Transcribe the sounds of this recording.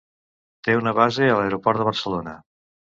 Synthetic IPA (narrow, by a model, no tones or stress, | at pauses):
t̪eunəβ̞azeələeɾupɔɾt̪əβəɾsəlonə